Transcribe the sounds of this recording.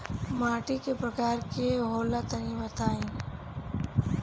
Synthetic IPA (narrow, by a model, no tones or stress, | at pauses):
maːʈikepɾəkaːɾkeɦoːlat̪əɾiʋət̪aːi